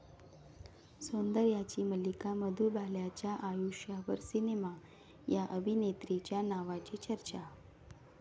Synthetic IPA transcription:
sond̪əɾjat͡ɕiːməlikaməd̪ʱuːbʱaljat͡ɕjaʔajuʂjaʋəɾsinema | jaʔəbʱinet̪ɾit͡ɕjanaʋat͡ɕiːt͡ɕəɾt͡ɕa

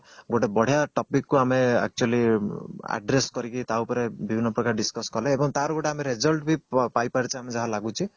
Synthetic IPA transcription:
ɡoʈebɔɽ̤jaʈɔpikːuamea̰k̚t͡ʃualia̰ɖɾeskɔɾikit̪awpɔɾebibʱinːɔpɾɔkaɾɖiskɔskɔleːbɔŋt̪aɾuɡoʈeameɾed͡ʒɔlʈbʱipajpaɾit͡ʃʰiamed͡ʒaɦalaɡut͡ʃʰi

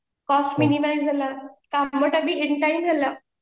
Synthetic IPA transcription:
kɔsʈminimajzd͡zʱalakaməʈabieɳʈajnd͡zʱala

